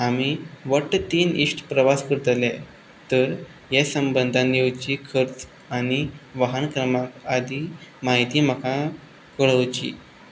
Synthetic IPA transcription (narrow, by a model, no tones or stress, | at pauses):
amiʋəʈt̪iːniʂʈpɾəʋaskəɾt̪əle | t̪əɾ | jesəmbənd̪ʱãnːewt͡ɕikʰəɾt͡s | aɽ̃iʋaɦənkɾəmakad̪ʱiːmaɦit̪iːm̤əkã | kəɭəʋt͡ɕḭː